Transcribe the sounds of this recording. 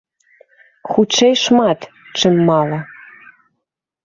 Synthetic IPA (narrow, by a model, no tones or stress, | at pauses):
xut͡ʃejʃmɑt̪ | t͡ʃə̆mːɑlɤ